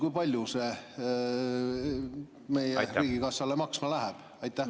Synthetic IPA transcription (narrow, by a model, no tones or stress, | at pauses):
kujpɑlʲjuse̞ | me̞jeɾiːɡ̥ikɑsɑlemɑksmɑlæɦɛb̥ | ɑjt̪ːˑæh